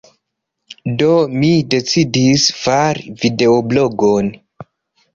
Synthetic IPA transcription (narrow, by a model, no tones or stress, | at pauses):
do̞mide̞t͡sidisfaɾvide̞oblo̞ɡon